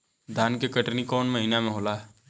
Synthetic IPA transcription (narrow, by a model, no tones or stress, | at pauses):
d̪ʱaːnkekəʈnikɔːnməɦinamẽɦoːlaːɦɛ